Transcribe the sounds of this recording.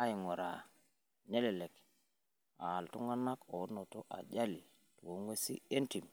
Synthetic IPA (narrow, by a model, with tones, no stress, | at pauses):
a˦ɪ˨ŋɔ˨ɾa̰˨ | ne˦lɛ˨le˨k | aː˨ltu˦ŋa˦na˦ko˨˦nɔ˨to˦ʔa̰˨d͡ʒa˦li˨ | two˨˦ŋwe˦sḭ˦e˦nti˨m